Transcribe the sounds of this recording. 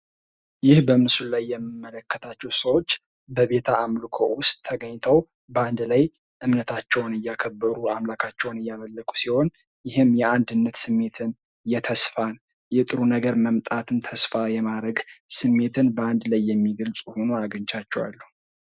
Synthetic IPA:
jɪhbəmɨsullajːɛmːimːələkːət̪ʰat͡ʃːɛwsəwo̞t͡ʃː | bəβe̞t̪ʰaamlɨkʰowʊst̪ʼtʰːəɡəɲːt̪ʰəw | bəand̪laj | ʔɨmnət̪ʰat͡ʃːɛwnɨjːakʰəbːəɾuamlakʰat͡ʃːɛwnɨjːaməlːəkʼu̥siho̞n | jɪhɨmjɛand̪ɨnːət̪sɨmːe̞t̪ʰɨn | jɛt̪ʰəsfan | jɛt̪ʼɨɾunəɡəɾməmt̪ʼat̪ʰɨnt̪ʰəsfajɛmaɾəɡsɨmːe̞t̪ʰɨnbəand̪lajːɛmːiɡəlt͡sʼuho̞nuaɡəɲt͡ʃat͡ʃːɛwa̰lːu

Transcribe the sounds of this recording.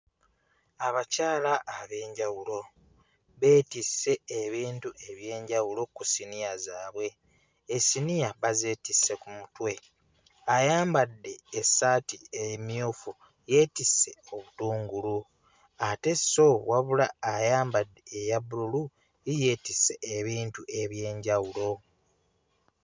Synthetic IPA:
aβacaːlaʔːβe̞ːɲɟawulo̞ | βe̞ːtisːe̞ːβiːntuʔe̞βje̞ːɲɟawulo̞kusinijazaːβwe̞ː | sinijaβaze̞ːtisːe̞kumutwe̞ | ajaːmbadːe̞ːsːaːtiemjoːfu | je̞ːtisːe̞o̞βutuːŋɡulu | ate̞so̞waβula̰ːjaːmbadːeːjabuɾulu | ije̞ːtisːe̞ʔeβiːntuʔe̞βje̞ːɲɟawulo̞

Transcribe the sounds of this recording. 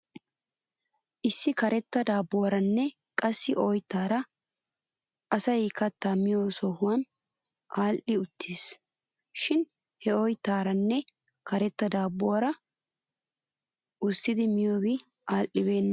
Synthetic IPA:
ʔɪsːɪkɐɾɛt̪ːɐd̪aːbowɐɾɐnːɛkʼɐsːɪʔɔjt̪ːaːɾɐ | ʔɐsɐjkɐt̪ːamɪjoːsɔhʊwɐnʔaːlʔɪʊt̪ːiːs | ʃɪn | hɛɔjt̪ːaːɾɐnːɛ | kɐɾɛt̪ːɐd̪aːbʊwɐɾɐ | ʊsːɪd̪ɪmɪjoːbɪʔaːlʔɪbe̞ːnːɐ

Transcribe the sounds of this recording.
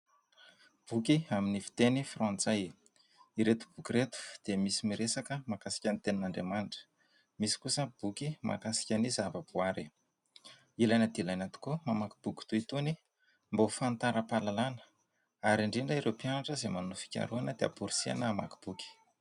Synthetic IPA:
b̥ukiaminifi̥t̪enifrɔ̃nt͡saj | iɾet̪u̥b̥ukʲiɾet̪u̥d̪̥emisimiɾesakəmakasi̥kʲanit̪eninaɳɖ͡ʐemanʈ͡ʂə̥ | misi̥kusəb̥ukimʔa̰kasi̥kʲanizavəb̥uaɾi | ilajnəd̪ilajnat̪u̥komamaki̥b̥uki̥t̪uit̪uni | mbofant̪aɾəpalalanə̥ | aɾiɳɖ͡ʐiɳɖ͡ʐəiɾewpianaʈ͡ʂəzemanufi̥kʲa̰ɾuanəd̪ea̰puɾisia̰nəːma̰ki̥b̥uki̥

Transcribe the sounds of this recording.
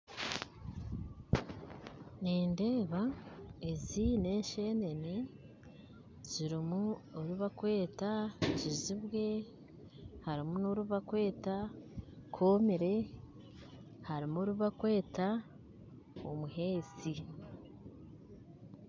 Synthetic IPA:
neːnde̞ːβaezine̞ːɲʃe̞ːne̞ne | z̥iɾimuoɾuβakwe̞ːtad͡ʒiziβwe̞ | haɾimunoɾuβakwe̞ːta | kʰoːmiɾe̞ | haɾimoɾuβakwe̞ːta | omuɦe̞ːt͡si

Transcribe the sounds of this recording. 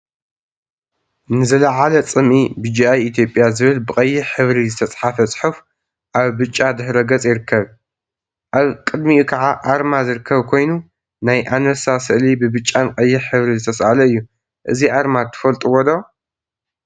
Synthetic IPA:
nɨzɐlɐʕalɐt͡sʼɨmʔibɨd͡ʒiʔajit̪ʰjo̞pʼjazɨβɨlbɨqʼɐjːɪħɨβɾizɨt̪ʰɐt͡sʼħafɐt͡sʼħɨf | ʔaβbɨt͡ʃʼːad̪ɨhɾɐɡɐt͡sʼjɪɾɨkʰːɐβ | ʔaβkʼɨd̪miukʰɐʕaʔaɾmazɨɾɨkʰːɐβkʰo̞jnu | najʔanɐsasɨʔlibɨbɨt͡ʃʼːanqʼɐjːɪħɨβɾizɨt̪ʰɐsʔalɐɨjːu | ʔɨziʔaɾmat̪ʰɨ̥fɐlt̪ʼuwɔd̪o

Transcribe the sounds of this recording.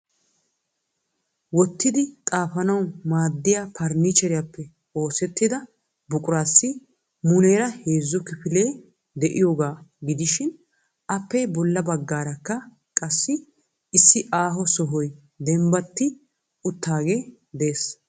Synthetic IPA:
wɔt̪ːɪd̪ɪt̪ʼaːfɐnɐwmaːd̪ːɪjapʰɐɾnit͡ʃɛɾɪjapːɛ | oːsɛt̪ːɪd̪ɐ | bʊkʼʊɾaːsːɪ | mʊne̞ːɾɐheːzːɔkɪpɪle̞ː | d̪ɛʔɪjo̞ːɡaːɡɪd̪ɪʃɪn | ʔɐpːɛbɔlːɐbɐɡːaːɾɐkːɐ | kʼɐsːɪ | ɪsːɪʔaːɦɔsɔɦɔj | d̪ɛmbɐt̪ːɪ | ʊt̪ʰːaːɡe̞ː | d̪eːs

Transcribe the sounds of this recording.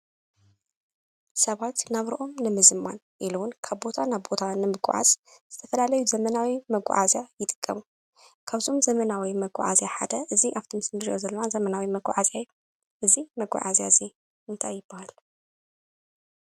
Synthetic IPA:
sɐβat̪naβɾɨʔo̞mnɨmɨzmːa̰n | ʔiluwʊnkʰaβbo̞t̪ʰanaβbo̞t̪ʰanɨmɨɡʷʼʊ̰ʕa̰z̥z̥ɨt̪ʰɐfɐlalɐjuzɐmɐnawimɐɡ̰ʷʼʕazjajɪt̪ʼɨ̥kʼːɐmu | kʰaβzomzɐmɐnawimɐɡʷʼɔ̰ʕa̰zjaħa̰d̪ɐʔɨziʔaft̪ʰimsnɨɾjozɐlːɐnazɐmɐnawimɐɡʷʼɔ̰ʕazaj | ʔɨzimɐɡʷʼa̰ʕazjazi | ɨnt̪ʰajːɨbahal

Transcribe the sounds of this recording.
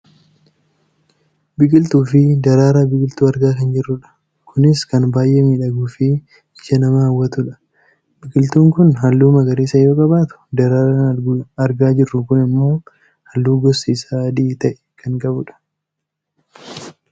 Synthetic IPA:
bɪkʼɪlt̪uːfɪd̪ɐɾaːɾaːbɪkʼɪlt̪uːɐɾɡaːkɐnd͡ʒɪrːʊᶑɐ̥ | kʰʊnɪskɐnbaːjʔeːmiːᶑɐɡuːfɪ | ɪʃɐnɐmahɐwːɐt̪ʊᶑɐ̥ | bɪkʼɪlt̪uːŋkʊnɦɐlːuːmɐɡɐɾiːsɐjo̞ːkʼɐbaːt̪ʊ̥d̪ɐɾaːɾanɐɾɡʊɐɾɡaːd͡ʒɪrːʊkʊnɪmːo̞ː | hɐlːuːɡɔsiːsaːd̪ɪt̪ɐʔɛ̥kʰɐŋkʼɐbʊᶑɐ̥

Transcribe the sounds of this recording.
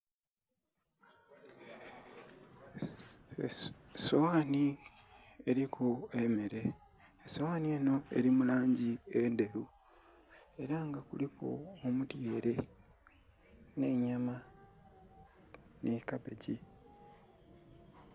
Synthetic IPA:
sowaːni | eɾikʰuemeɾe̞ː | sowaːnie̞ːno̞e̞̰ɾimulaːɲɟiende̞ɾu | e̞ɾaŋɡakuliko̰omutjeːɾe̞ | ne̞ɲama | nekapeɟi

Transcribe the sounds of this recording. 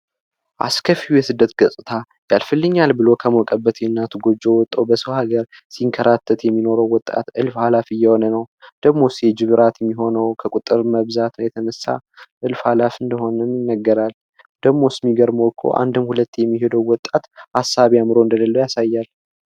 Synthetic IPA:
ʔa̰skʰəfiujɛsɨd̪ːət̪ɡəsʼɨt̪ʰa | jalfɨlːɨɲːalbɨlo̞kʰəmokʼəbːət̪ʰenːat̪ʰuɡod͡ʒːowɔt̪ʼːəwbəsəwhaɡəɾ | siŋkʰəɾat̪ʰːət̪jɛmːino̞ɾəwːɔt̪ʼa̰t̪ɨlfhalafijɛho̞nənəwd̪̥əɡmo̞sjɛd͡ʒɨβɨɾʔat̪jɛmːiɦo̞nəwkʰəkʼut̪ʼːɨɾməβzat̪jɛt̪ʰənəsːa̰ʔɨlfhalafɨnd̪əho̞nənjɪnːəɡːəɾal | d̪̥əɡmo̞sɨmːiɡəɾmokʰo̰ʔa̰nd̪ɨmhulət̪ːjɛmːihe̞d̪əwwɔt̪ʼːat̪hasːaβjamɾo̞ɨnd̪ələlːəjasajːal

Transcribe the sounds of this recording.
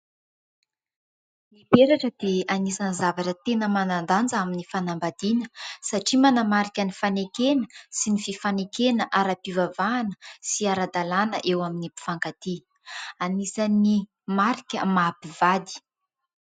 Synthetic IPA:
mibeɾaʈ͡ʂəd̪̥eanisanizavaʈ͡ʂət̪enəmanand̪and͡zəaminifanambad̪inəsaʈ͡ʂimanamaɾikʲənifanekenəsinififanekenəʔaɾapivavaːnəsiaɾad̪alanə̰ʔewaminipi̥faŋkat̪i | anisani | maɾikʲəmapiv̥ad̪i̥

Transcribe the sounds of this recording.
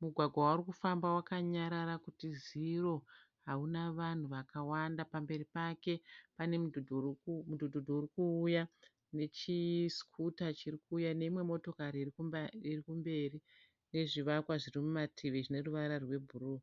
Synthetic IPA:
muɡʱwaɡʱwawaarikufambawakaɲaɾaɾakutiziro̞ | ɦaunaʋan̤uʋakawandapambe̞ɾipake̞pane̞mu | mudʱudʱudʱourikuːja | ne̞t͡ʃiskʰutat͡ʃirikuːjane̞imwe̞mo̞to̞kaɾiirikumbe̞ːri | ne̞ʐiʋakwaʐirimumatʰiʋeʐine̞ruʋaɾarwe̞bʱuɾuː

